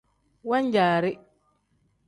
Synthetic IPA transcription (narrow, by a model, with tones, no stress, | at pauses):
wa˦ɲ˦d͡ʒaː˨ɾɪ˦